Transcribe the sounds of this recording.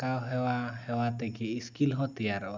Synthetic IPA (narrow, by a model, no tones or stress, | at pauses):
kawɦɛwahɛwat̪ɛɡɛiskilɦɔt̪iaɾɔ